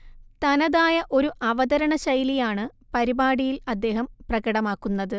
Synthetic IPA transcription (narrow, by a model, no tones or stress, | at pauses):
t̪ɐnɐðaːjɐʔo̞ɾuʔɐʋɐd̪ɐɾɐɳɐɕɐjlijaːɳɨ | pɐɾibaːɽijilɐd̪ːe̞ːɦɐmprɐɡɐɽɐmaːkːunːɐðɨ